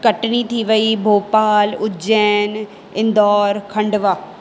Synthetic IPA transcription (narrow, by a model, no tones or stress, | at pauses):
kəʈnit̪ʰiʋəibʱoːpaːlʊd͡ʒɛːn | ɪ̃nd̪ɔːɾkʰɐ̃ɳɖʋaː